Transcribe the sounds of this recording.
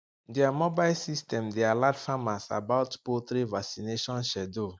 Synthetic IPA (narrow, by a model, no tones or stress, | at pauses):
dɛamɔbaɪsistɛ̃mdealadfamasa̰baʊtpot̪ɾivaksineʃɔ̃nʃɛdo